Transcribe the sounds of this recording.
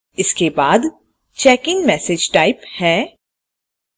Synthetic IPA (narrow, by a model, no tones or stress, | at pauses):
ɪskebaːd̪ | t͡ʃɛːkɪ̃ŋmɛːsed͡ʒʈaːɪphɛː